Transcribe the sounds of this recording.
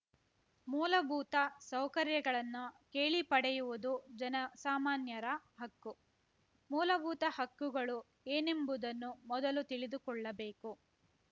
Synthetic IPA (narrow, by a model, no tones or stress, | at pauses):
muːlɐbuːt̪ɐsɐwkɐɾjɐɡɐɭɐnːuke̞ːɭipɐɽɛjuʋud̪ud͡ʒɐnɐsaːmaːnjɐɾɐɦɐkːu | muːlɐbuːt̪ɐhɐkːuɡɐɭu | eːnembud̪ɐnːumɔd̪ɐlut̪iɭid̪ukɔɭːɐbe̞ːku